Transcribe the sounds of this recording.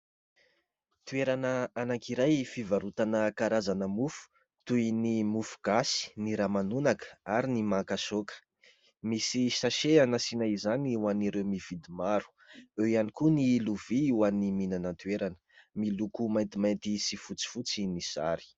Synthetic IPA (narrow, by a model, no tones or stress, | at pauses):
t̪ueɾanəanaŋkiɾajfivaɾut̪anəkaɾazanəmufu̥ | t̪uinimufu̥ɡ̥asi̥niɾamanunakə̥aɾinimakasokə̥ | misisaʃeanasinaizaniuwaniɾewmiv̥id̪imaɾu̥ | ewianikuniluv̥iiwaniminanət̪ueɾanə̥milukumajnt̪imajnt̪isifut͡si̥fut͡sinisa̰ɾi̥